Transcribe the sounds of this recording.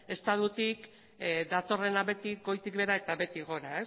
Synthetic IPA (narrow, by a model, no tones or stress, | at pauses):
e̞st̪aðut̪ik | d̪at̪o̞re̞naβe̞t̪ikɡo̞jt̪ik̚βe̞ɾae̞t̪aβe̞t̪iɣo̞ɾae